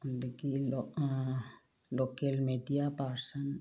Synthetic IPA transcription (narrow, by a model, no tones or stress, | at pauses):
d̪ekilo | lokelmeɖijapaɾsən